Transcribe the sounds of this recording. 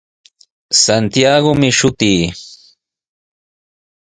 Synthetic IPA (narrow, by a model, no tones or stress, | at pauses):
sant̪ijaɡomɪʃʊt̪iː